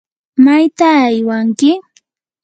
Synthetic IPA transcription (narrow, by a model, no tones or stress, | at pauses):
majt̪aːjwaŋkɪ